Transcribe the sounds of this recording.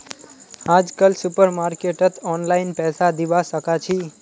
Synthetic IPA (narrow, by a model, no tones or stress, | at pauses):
ad͡ʒkəlsupəɾmaɾkeʈət̪ʰɔnlainpɛsad̪iʋasəkat͡ʃʰi